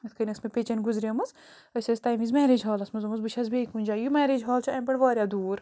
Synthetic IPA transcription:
ɐt̪ʰkʰɐnʲɐsmepʲet͡ʃɐnɡuzɾiɐmɐz | ɐsʲɐsʲt̪aːjmizmɛːɾed͡ʒɦaːlɐsmɐzɐmɐzbɨʃʰɐzbeːkuːnʲd͡ʒaːjumɛːɾed͡ʒɦaːlt͡ʃʰiɐmpɐɳʋaːɾʲjad̪uːɾ

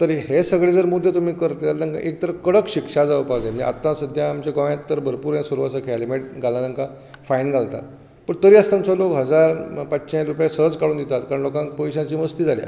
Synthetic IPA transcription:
t̪əɾɦesəɡɭed͡zəɾmud̪ʱːjet̪umiːkəɾt̪ealnəŋkã̰ʔek̚t̪əɾəkəɽəkɕikʂad͡zaʋpad͡zemia̰t̪ːãsəd̪ʱjãːmt͡ɕeɡəʋjãt̪ːəɾbʱəɾpuːɾãsuɾʋasəkʰeɛlimeʈ̚ɡalanəŋkã | fajnɡʱalt̪a̰t̪ | pəɳt̪əɾiːəst̪amsəlokɦəd͡zaɾpət͡ɕːɕãɾupjasəd͡zkaɽuːnd̪it̪at̪̚kaɾəɳnlokãŋk̚pɔjɕãt͡ɕiːməst̪iːd͡zʱalja̰

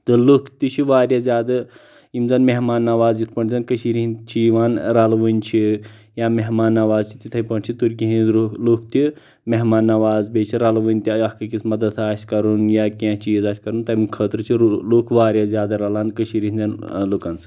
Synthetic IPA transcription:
t̪ɨlukʰt̪it͡ʃʰiʋaːɾjaːzʲjaːd̪ɐ | imzɐnmeɦmaːnːɐʋaːzit̪ʰpɐɳʲzɐnkəʃiɾiɦint͡ʃʰiʋaːnɾɐlʋunʲt͡ʃʰi | jaːmeɦmaːnːɐʋaːzt͡ʃʰi̥t̪ʲit̪ʰɐpɐɳʲt͡ʃʰit̪uɾkʲiɦiniluk̚ʰt̪i | meɦmaːnːɐʋaːzbeːt͡ʃʰiɾɐlʋɨnʲt̪iɐhkɐkismɐd̪ɐd̪ʰaːsʲkɐɾunjaːkʲẽt͡ʃiːzaːsʲkɐɾunt̪ɐimkʰəːt̪ɾɨt͡ʃʰilukʰʋaːɾʲjazʲjaːd̪ɐɾɐlankəʃiɾiɦinzʲɐnlukɐnsʰɨ̥

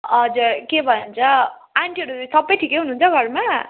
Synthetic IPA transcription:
ʌd͡zuɾkebʱʌnunt͡sʰʌ | aɳʈiʌɾusʌbʌjʈʰikeɦunuːnt͡sʰʌɡʱʌrma

